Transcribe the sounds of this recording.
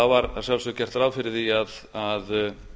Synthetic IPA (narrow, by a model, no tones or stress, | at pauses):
avaɾsjawlsœcɛr̥t̪ɾavfɪɾɪɾθiað | að